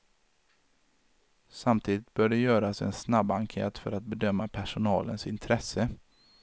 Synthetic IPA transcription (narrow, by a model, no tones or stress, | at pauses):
samt̪ʰiːd̪ɪt̪̚bœːɖɛjœːɾasɛ̰nsnabːaŋkʰḛːt̪fœ̰ɾat̪̚bɛd̪œmːapʰæʂʊnɑ̰ːlənsɪnt̪ʰɾɛsə